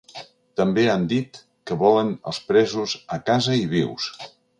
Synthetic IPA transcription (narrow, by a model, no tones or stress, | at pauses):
t̪əmbeand̪it̪ | kəβɔlənə̰lˠspɾɛzuzəkazəiβiws